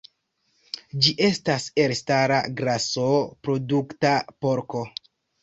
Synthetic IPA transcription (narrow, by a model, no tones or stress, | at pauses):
d͡ʒiʔe̞stase̞ɾstaɾa̰ɡɾasopɾo̞duktapo̞ɾko̞